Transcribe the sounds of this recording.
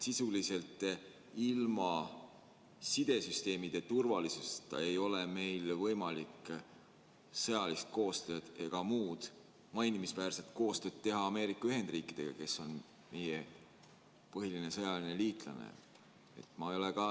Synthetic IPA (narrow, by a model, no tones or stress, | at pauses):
sisulise̞lt̪ˑ | ilmɑ | sid̪̥e̞syst̪e̞ːmid̪̥e̞t̪urvɑlisust̪ːɑ̰e̞jo̞leme̞jlvɤjmɑlik | sɤjɑlist̪̚ko̞ːst̪ø̞ːd̪̥e̞ɡ̥ɑmuːd̪̥ | mɑjnimisvæːrse̞t̪ko̞ːst̪øːd̪̥̚t̪ːe̞ɦɑɑme̞ːɾikːˑɑyɦe̞nd̪riːkˑid̪̥e̞̰ɡ̥ɑ̰ke̞so̞n | me̞je | pɤɦiline̞sɤjɑline̞liːt̪ˑlɑ̰nḛ | e̞̰t̪ˑmɑjo̞lekɑ